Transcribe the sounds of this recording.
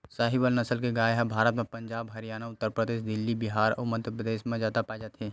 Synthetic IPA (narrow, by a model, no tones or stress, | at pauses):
saːɦɪbəlnɐsəlkeɡaːjɦɛ̃bʱaːɾət̪mẽpɐ̃ɲd͡ʒaːbɦɐɾijaːnaʊt̪ːəɾpɾəd̪eːʃd̪ɪlːibɪɦaːɾɔ̰məd̪ʱjəpɾəd̪eːʃmẽd͡ʒaːt̪apaːd͡ʒat̪ʰeː